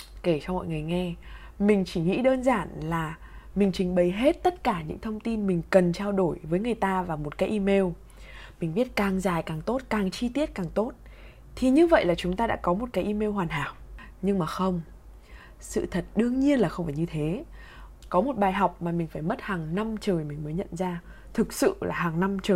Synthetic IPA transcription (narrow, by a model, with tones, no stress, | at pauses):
ke˧˩t͡ɕɔ˧wŋ͡mmɔ̰˧˨jŋɨ˨˩əjŋɛ˧ | mï˨˩ŋ̟t͡ɕi˧˩ŋḭ˧˥ɗəː˧nzaː˧˩nlaː˨˩ | mï˨˩ŋ̟t͡ɕï˨˩ŋ̟ɓə˨˩jɦe˦˥t̚t̪ə˦˥t̚kaː˧˩ɲɨ̰˧˥ŋt̪ʰə˧wŋ͡mt̪i˧nmï˨˩ŋ̟kə˨˩nt͡ɕaː˧wɗo˧˩jvəː˨˦jŋɨ˨˩əjt̪aː˧vaː˨˩wmo˨˩t̚kaː˨˦jʔi˧me˧w | mï˨˩ŋ̟ɓi˦˥ət̚kaː˨˩ŋzaː˨˩jkaː˨˩ŋt̪o˦˥t̚kaː˨˩ŋt͡ɕi˧t̪i˦˥ət̚kaː˨˩ŋt̪o˦˥t̚ | t̪ʰi˨˩ɲɨ˧və̰˧˨jlaː˨˩t͡ɕʊ˨˦ŋ͡mt̪aː˧ɗa̰ː˧˥kɔ˨˦mo˨˩t̚kaː˨˦jʔi˧me˧wɦwaː˨˩nɦaː˧˩˨w | ɲɨ˧ŋmaː˨˩xə˧wŋ͡m | sɨ̰˧˨t̪ʰə˨˩t̚ɗɨ˧əŋɲi˧ənlaː˨˩xə˧wŋ͡mfaː˧˩jɲɨ˧t̪ʰe˨˦ | kɔ˨˦mo˨˩t̚ɓaː˨˩jɦa˨˩wk͡p̚maː˨˩mï˨˩ŋ̟faː˧˩jmə˦˥t̚haː˨˩ŋna˧mt͡ɕəː˨˩jmï˨˩ŋ̟məː˨˦ɲə̰˧˨nzaː˧ | t̪ʰɨ˨˩k̚sɨ̰˧˨la̰ː˨˩ɦaː˨˩ŋna˧mt͡ɕəː˨˩